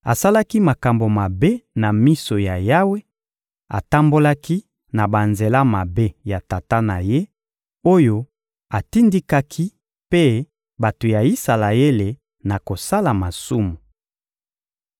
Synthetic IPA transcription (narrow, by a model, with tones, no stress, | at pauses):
a˨sa˦la˦ki˦ma˨ka˨mbo˨ma˨be˦na˨mi˦so˨ja˨ja˦we˦ | a̰˨ta˦mbo˦la˦ki˦ | na˨ba˨nze˨la˦ma˨be˦ja˨ta˨ta˦na˨je˦ | o˦jo˦ | a˨ti˦ndi˦ka˦kʰi˦ | pe˦ | ba˨to˨ja˨i˦sa˨la˨e˦le˨ | na˨ko˨sa˦la˨ma˨su˦mu˨